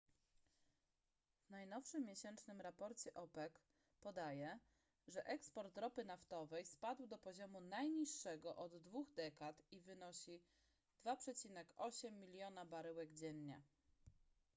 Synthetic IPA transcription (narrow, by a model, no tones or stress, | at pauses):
vnajnɔfʂɘmʲːjeɕɛnt͡ʂnɘmɾapɔɾt͡ɕɛʔɔpɛk | pɔd̪ajɛ | ʐɛʔɛkspɔɾt̪ɾɔpɘnaft̪ɔvɛjspad̪wd̪ɔpɔʑɔmunajɲiʂːɛɡɔʔɔd̪ːvuɣd̪ɛkat̪ivɘnɔɕi | d̪̥vapʂɛt͡ɕinɛkɔɕɛmːʲilʲjɔnabaɾɘwɛɡd͡ʑɛnɲa̰